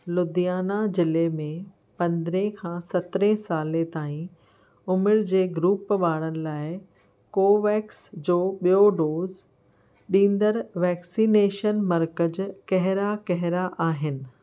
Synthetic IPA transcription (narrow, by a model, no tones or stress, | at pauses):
lʊd̪ijaːnad͡ʑɪlemẽ | pɐ̃nd̪ɾẽkʰãːsɐt̪ɾẽsaːlet̪aːĩ | ʊmɪɾd͡ʑeːɡɾuːpʋaːɽ̃ənɪ̆laːɪ | koːʋɛːksd͡ʑoːɓijoɖoːz | ɗĩːnd̪əɾʋɛːksiːneːʃənmɐɾkəd͡ʑkɐɦɪɾakɐɦɪɾaʔaːɦɪnɪ̆